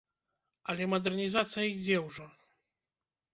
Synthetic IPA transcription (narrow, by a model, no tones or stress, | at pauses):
alʲɛmɔd̪ɛrnʲizat̪sʲjaiɣzʲɛwʐɔ